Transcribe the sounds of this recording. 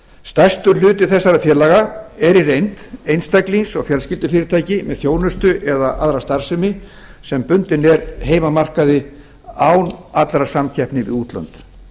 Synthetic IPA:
st̪ajst̪ʏɾlʏːt̪ɪθɛsːaɾafjɛːɾlaɣaɛɾirejnt̪ejnst̪ajklinsɔ̰ɣfjɛlscɪlt̪ʏfɪːɾɪɾt̪ʰaːjcɪmɛðθjoːwnʏst̪ʏʔɛðaʔaðɾast̪ar̥sɪmɪ | sɛmpʏnt̪ɪnɛɾɦeːjmamar̥kaðɪ | awnat̪lɾasamcʰɛhpnɪvɪ̰ðuːt̪lœ̰nt̪

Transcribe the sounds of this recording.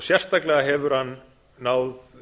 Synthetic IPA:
sjɛr̥st̪aklɛɣaɦɛvʏɾ̥hanː | aːwð

